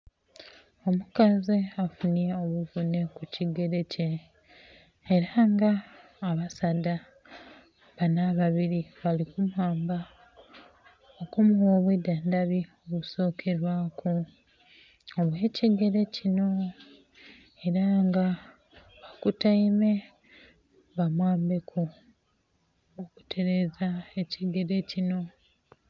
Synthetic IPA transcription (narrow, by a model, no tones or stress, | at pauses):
o̞mukazeafunijeoβuvune̞kuciɡe̞ɾe̞ce̞ | ɾaŋɡaː | βasada | βanaβaβiɾiβalikumuhaːmba | okumuwoβwedandaβioβuso̞ːkʰe̞ɾwakʰo | oβwe̞ciɡe̞ɾe̞cino̞ | e̞ɾaŋɡa | βakutaime̞ | βamwaːmbe̞kʰo | oku̥tʰe̞ɾe̞zaeciɡe̞ɾe̞cino̞